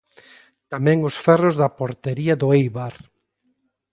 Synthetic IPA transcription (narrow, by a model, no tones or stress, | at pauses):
t̪amɛ̃ŋʊsfɛrʊzðɐpoɾt̪eɾiɐðʊejβaɾ